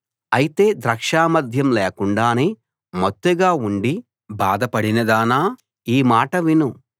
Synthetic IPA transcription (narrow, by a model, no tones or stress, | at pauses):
ɐjit̪e̞ːd̪ɾɐkʂaːmɐd̪ʱjɐmleːkuɳɖaːneː | mot̪ːeɡaːuɳɖi | baːd̪ɐpɐɽinɐd̪aːnaː | iːmaːʈɐʋinu